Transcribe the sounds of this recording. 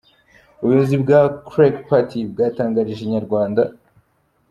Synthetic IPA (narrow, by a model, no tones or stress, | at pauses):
uβujozibɡakɾekpatibɡaːtaːŋɡaɾiʒeɲaɾɡwaːnda